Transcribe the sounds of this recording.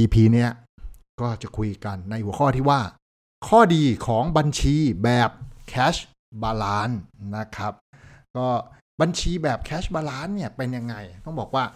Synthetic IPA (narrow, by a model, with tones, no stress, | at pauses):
iː˧pʰiː˧ni˦˥˩ɐ | kɔː˥˩t͡ɕa˨˩kʰu˧jka˧nːa˧jhu˨˩˦ə˦kʰɔː˥˩t̪iː˥˩waː˥˩ | kʰɔː˥˩diː˧kʰɔː˩˦ŋba˧nt͡ɕʰiː˧bɛː˨˩p̚kʰɛː˦˥s | baː˧laː˦˥nna˦˥kʰɾa˦˥p̚kɔː˥˩ | ba˧nt͡ɕʰiː˧bɛː˨˩p̚kʰɛː˦˥sbaː˧laː˦˥nːi˥˩ɐpe˧nja˧ŋːa˧jt̪ɔ˥˩ŋbɔː˨˩k̚waː˥˩